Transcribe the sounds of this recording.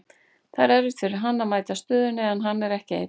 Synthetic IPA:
θaɾɛɾvɪt̪fɪɾɪɾ̥ɦanːamaːjt̪ast̪œːðʏnɛːðanɦanːɛɾɛhcɪḛj

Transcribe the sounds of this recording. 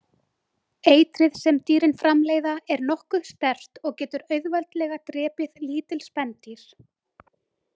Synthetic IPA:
eːjt̪ɾɪðsɛmt̪iːɾɪnfɾamleːjðaɛɾnɔhkʏ̥st̪ɛr̥t̪ɔɣcɛːt̪ʏɾœɥðvalt̪lɛːɣat̪ɾɛːpɪðliːt̪ɪlspɛnt̪iɾ̥

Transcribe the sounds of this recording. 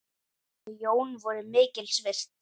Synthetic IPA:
joːwnvɔɾʏmɪːcɪlsvɪr̥t̪

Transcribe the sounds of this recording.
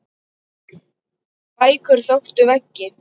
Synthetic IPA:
paːjkʏɾ̥θœxt̪ʏvɛcːɪ

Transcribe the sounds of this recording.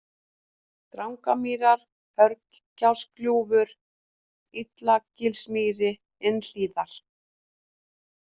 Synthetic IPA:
t̪ɾawŋkamiːɾaɾ̥ | hœɾkcawskljuːvʏɾ̥ | it̪lacɪlsmiːɾɪ | ɪnl̥iːðaɾ̥

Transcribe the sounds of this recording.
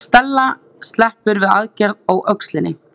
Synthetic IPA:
st̪ɛlːa | st̪lɛhpʏɾvɪðaðcɛɾðoɣʔœkslɪnːɪ

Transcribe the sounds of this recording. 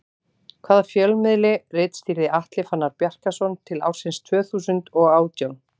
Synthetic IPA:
kʰv̥aːðafjœlmɪðlɪrɪːt̪st̪iːɾðɪʔaht̪lɪfanːaɾpjar̥kasɔnt̪ʰɪla̰ːw̥sɪnst̪ʰvœːθuːsʏnt̪ɔɣaːwt̪jawn

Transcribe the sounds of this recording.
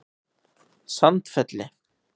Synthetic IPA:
sant̪fɛt̪lɪ

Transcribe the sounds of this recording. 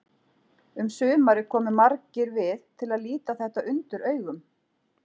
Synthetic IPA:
ʏmsʏːmaɾɪkʰɔːmʏmaɾcɪɾvɪðt̪ʰɪlaðliːt̪aθɛht̪aʏnt̪ʏɾœːɥɣʏm

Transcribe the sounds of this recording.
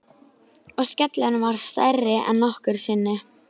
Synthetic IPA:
ɔɣscɛt̪lɪnɪvaɾ̥st̪a̰jrːɪʔɛ̰nːɔhkʏɾ̥sɪnːɪ

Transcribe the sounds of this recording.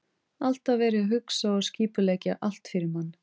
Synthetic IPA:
al̥t̪avvɛːɾɪɦʏksaɔsciːpʏlɛjcaʔal̥t̪fɪɾɪɾmanː

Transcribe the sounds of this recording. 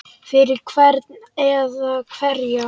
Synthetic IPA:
fɪɾɪɾkʰvɛɾt̪nɛðakʰvɛɾja

